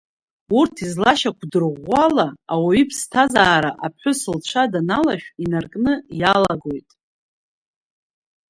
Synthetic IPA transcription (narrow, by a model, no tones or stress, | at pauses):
urtʰizlaʃakʷʰdɨrʁʷalaawaɥipʰstʰazaːɾaʔap̚ʰħʷᶣʊsɨlt͡ɕʷʰadanalaʃᶣinarkʼnɨjalaɡo̞jtʼ